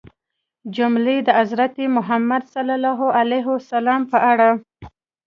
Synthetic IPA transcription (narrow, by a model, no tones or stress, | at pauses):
d͡ʒʊmled̪əazɾat̪emʊɦamːad̪salalɑɦoʔalajɦʊasalɑmpəʔaɽa